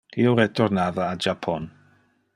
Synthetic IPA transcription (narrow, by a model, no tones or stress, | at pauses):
iuɾɛtʰɔrnaðaːd͡ʒapʰɔn